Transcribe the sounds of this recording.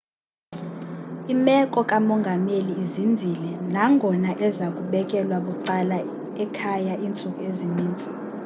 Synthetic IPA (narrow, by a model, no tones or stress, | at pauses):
imɛkʼɔkʼamɔŋɡʱameliːzindʱilɛnaŋɡʱɔnaʔɛzakʼuɓɛk̬ʼɛlwaɓuǃala | ɛkʰajaʔint͡sʼukʼueziniːnt͡sʼi